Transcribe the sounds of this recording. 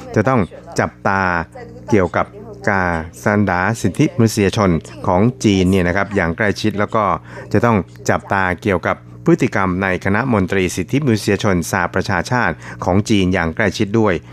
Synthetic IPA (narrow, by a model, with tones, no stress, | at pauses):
t͡ɕa˨˩ʔt̪ɔ˥˩ŋt͡ɕa˨˩p̚t̪aː˧ | ki˨˩əwka˨˩p̚kaː˧˩sa˩˦ndaː˩˦si˨˩t̪ʰːi˦˥ma˧n˦˥si˧jaː˧t͡ɕʰo˧nkʰɔː˩˦ŋt͡ɕiː˧nːi˥˩ɐna˦˥kʰa˦˥p̚jaː˨˩ŋkla˥˩jt͡ɕʰi˦˥t̪̚lɛː˦˥wkɔː˥˩t͡ɕa˨˩t̪ɔ˥˩ŋ | t͡ɕa˨˩p̚t̪aː˧ki˨˩əwka˨˩pʰːɯ˦˥t̪ʰːi˨˩ka˧mna˧jkʰa˧na˦˥ʔmo˧nt̪ɾiː˧si˨˩t̪ʰːi˦˥ma˧nu˦˥si˧jaː˧t͡ɕʰo˧nsaː˧˩pːɾa˧t͡ɕʰaː˧t͡ɕʰaː˥˩t̪̚kʰɔː˩˦ŋt͡ɕiː˧njaː˨˩ŋkla˥˩jt͡ɕʰi˦˥t̪̚du˥˩əj